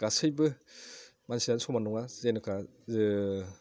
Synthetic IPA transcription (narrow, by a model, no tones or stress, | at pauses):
ɡ̥asɯjbɯ | mansiansʰɔmanuŋazenɯkʰa | z